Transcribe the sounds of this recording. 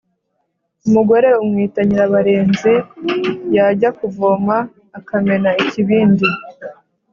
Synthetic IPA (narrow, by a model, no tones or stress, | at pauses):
umuɡo̞ɾe̞umŋiːtaɲiɾaβaɾeːnzi | jaɟakuvomaː | kame̞naiciβiːndi